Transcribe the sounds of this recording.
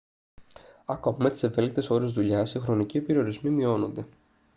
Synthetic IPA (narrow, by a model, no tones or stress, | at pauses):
ɐkomime̞t̪i̥se̞ve̞lik̚t̪e̞so̞ɾe̞zðuʎɐsixɾo̞nicipe̞ɾio̞ɾizmimio̞no̞nd̪e̞